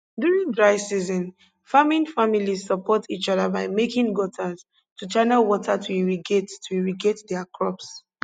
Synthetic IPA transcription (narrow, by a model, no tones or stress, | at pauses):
djuɹĩŋdɹaɪsizɔ̃n | famĩnfamilizsɔpʰɔtit͡ʃɔðabaɪmekĩŋɡɔtʰaz | tut͡ʃanəlwɔtʰatʰuiɹiɡettʰuiɹiɡetdɛakʰɹɔps